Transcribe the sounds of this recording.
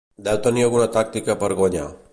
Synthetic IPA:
d̪ɛwt̪ɐnijoɡunat̪ak̚t̪ikapɐɾɡoɲa̰

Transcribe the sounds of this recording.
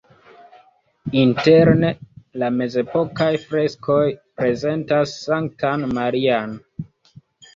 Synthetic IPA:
inte̞ɾnelame̞ze̞po̞kajfɾe̞skʰo̞jpɾe̞ze̞ntasːaŋk̚tanmaɾian

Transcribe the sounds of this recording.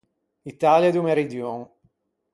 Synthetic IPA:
it̪aːljad̪umeɾid̪joŋ

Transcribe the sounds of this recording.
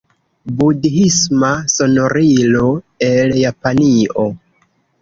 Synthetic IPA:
budɦismaso̞no̞ɾilo̞ | eljapanio̞

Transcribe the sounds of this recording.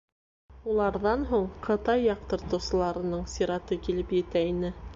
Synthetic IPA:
ulˠɑɾðɑnɦuɴqʰɤ̆t̪ɑjːɑq̚t̪ɤ̆ɾt̪ɤ̆wsɤ̆lˠɑɾɤ̆nɤɴsiɾɑt̪ɤkilɘpjɘ̆t̪æinɘ

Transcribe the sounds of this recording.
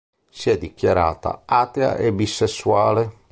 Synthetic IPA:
siɛd̪ːikjaɾa̰ːt̪a̰at̪ea̰ʔebisːesːuaːle

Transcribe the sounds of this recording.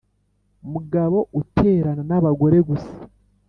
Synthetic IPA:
muɡaβo̞utʰe̞ːɾananaβaɡo̞ɾe̞ɡusḁ

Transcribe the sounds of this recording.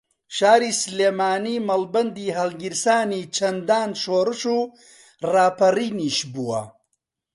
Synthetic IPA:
ʃaːɾiːsleːmaːniːmɐlbɐnd̪iːɦɐlɡiɾsaːniːt͡ʃʰɐnd̪aːnʃoːɾɨʃuː | raːpɐriːniːʃbuwɐ̰

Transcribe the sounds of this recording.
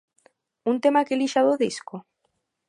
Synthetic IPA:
unt̪emakeliʃaðoðisko

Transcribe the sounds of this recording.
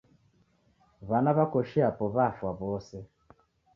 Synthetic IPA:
βanaβakɔʃiapɔβafwaβɔsɛ

